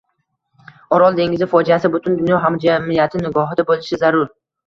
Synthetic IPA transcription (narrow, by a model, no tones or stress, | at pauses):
ɒɾɒlˠd̪e̞ŋʲɪzɪfɒd͡ʒijasɪbʊt̪ʰʊnd̪ʊnjɒɦamd͡ʒamɪjat̪ʰɪnɪɡɒɦɪd̪abolɪʃɪzaɾʊɾ